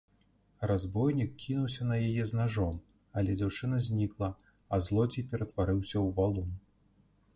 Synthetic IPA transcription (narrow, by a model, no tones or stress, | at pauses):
razbɔjnʲikkʲʰːinuwsʲɐnɐjajɛznaʐɔm | ɐlʲɛd͡zʲawt͡ʂɨnɐzʲnʲiklˠɐ | ɐzlˠɔd͡zʲipʲɛɾɐt̪vaɾɨwsʲɐwvalˠun